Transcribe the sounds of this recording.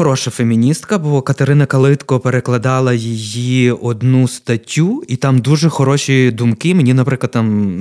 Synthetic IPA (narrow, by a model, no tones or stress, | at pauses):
ɔɾɔʃɐfemʲinʲist̪kɐbɔkɐt̪eɾɪnɐkɐlˠɪt̪kɔpeɾeklˠɐd̪ɑlˠɐjijiɔd̪nust̪ɐtʲːuit̪ɑmd̪uʒɛxɔɾɔʃʲid̪umkɪmenʲinɐpɾɪklˠɐd̪t̪ɑm